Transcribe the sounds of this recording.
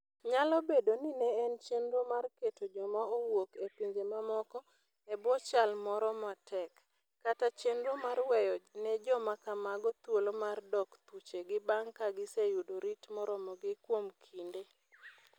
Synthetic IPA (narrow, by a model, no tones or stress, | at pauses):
ɲalɔbedoninɛːnt͡ʃenɾomarketod͡ʒɔmaowokepiɲd͡ʒemamɔkɔ | ɛbɔt͡ʃalmɔɾɔmatʰɛkː | atat͡ʃenɾomarwɛjɔnɛd͡ʒɔmakamaɡɔt̪wolomardɔkt̪ut͡ʃeɡɪbaŋkaɡɪsejudoɾitmɔɾɔmɔɡɪkwomkʰinde